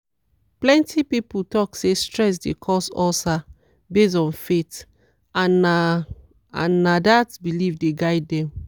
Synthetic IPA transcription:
plɛ̃ntʰipiputɔksestɹɛs̬dḛkʰɔsɔsa | bes̬ɔ̃nfet | ãna | ã̰nːadatbilivdeɡaɪdɛ̃m

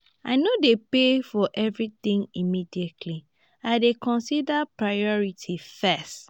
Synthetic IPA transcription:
a̰ɪnodepefɔʔɛvɹitĩŋimidietʰli | aɪdekɔ̃nsidapɹajɔɹitʰifɛst

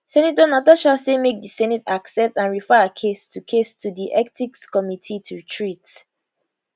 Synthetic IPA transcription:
sɛnitonataʃasemek̚disɛnɛtaksɛp̚tãnɹifɛəkʰestʰukʰestʰudiʔɛk̚tʰikskɔmitʰitʰutʰɹit

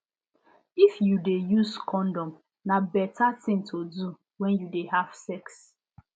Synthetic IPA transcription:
ifjudejuzkʰɔ̃ndɔ̃m | nabɛtatɪ̃ŋtʰodu | wɛ̃njudeɦav̥sɛks

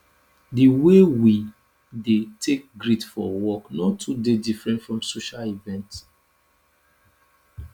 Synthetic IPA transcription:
diwewi | detʰek̚ɡɾitfɔwɔknɔtʰudedifɹɛ̃ntfɹɔ̃msoʃalivɛ̃nt

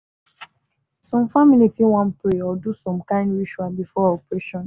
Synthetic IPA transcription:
sɔ̃mfamilifiwãnpɾeɔdusɔ̃mkãɪ̃ndɹiʃualbifɔɔpɹeʃɔ̃n

